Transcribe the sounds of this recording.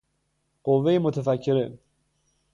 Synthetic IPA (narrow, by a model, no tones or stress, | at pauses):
ɢ̥ovːejemot̪ʰefæcʰːeɾe